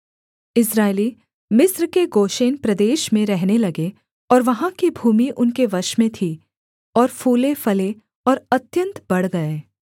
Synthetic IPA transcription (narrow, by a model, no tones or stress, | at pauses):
ɪsɾaːeli | mɪsɾkeɡoːʃeːnpɾɐd̪eːʃmẽɾɛɦnelɐɡe | ɔːɾʋɐɦãkibʱuːmiʔʊnkeʋɐʃmẽt̪ʰi | ɔːɾfʰuːlefɐle | ɔːɾɐt̪jə̃nt̪bɐɽ̤ɡɐeː